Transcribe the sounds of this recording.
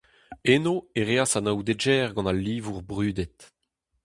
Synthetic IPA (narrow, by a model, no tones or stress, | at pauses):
enoeʁeasanawd̪ed͡ʒɛːʁɡɑ̃nalːiːvuʁbʁyːd̪ɛt̪